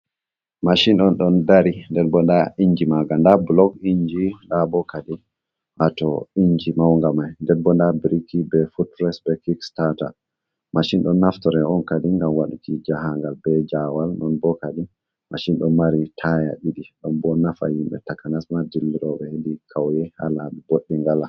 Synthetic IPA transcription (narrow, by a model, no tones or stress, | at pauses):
maʃinɗɔnɗɔndaɾindɛɾbɔndaiɲd͡ʒimaɡandablɔɡiɲd͡ʒindabɔkadi | ʔatɔiɲd͡ʒimawŋɡamajndɛnbɔndabiɾikibɛfut̚pɾɛsbɛkikstata̰ | maʃinɗɔnːaftɔɾɛɔnkadiŋɡamwaɗukid͡ʒahaŋɡalbɛd͡ʒawalnɔnbɔkadi | maʃinɗɔnmaɾitʰaja̰ɗiɗiɗɔnbɔnafa̰himɓɛ̰takanasmadilːiɾɔbɛhedikʰawjɛha̰laiboɗːiŋɡala